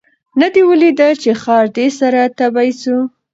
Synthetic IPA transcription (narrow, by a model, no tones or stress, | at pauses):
nad̪iwəlid̪at͡ʃexɑɾd̪esaɾat̪abajsu